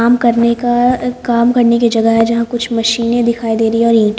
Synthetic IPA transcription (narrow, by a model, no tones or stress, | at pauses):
aːmkɐɾnekakaːmkɐɾnekid͡ʒɐɡəɦɛd͡ʒɐɦãkʊt͡ʃʰmɐʃiːnẽd̪ɪkʰaːid̪eːɾɐeɔːɾĩːʈ